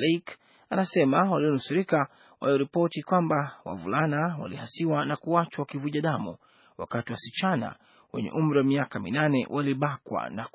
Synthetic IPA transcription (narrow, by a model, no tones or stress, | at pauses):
lɛk | anasɛmawaliɔnusuɾika | wa̰liɔɾipɔtikwambawa̰vṵlanawa̰lihasiwanakuat͡ʃwawakivuʄaɗamu | wa̰katiwasit͡ʃana̰ | wɛɲɛ̰ʔum̩ɾiwamiakamḭnanɛwʔaliɓakwa̰nak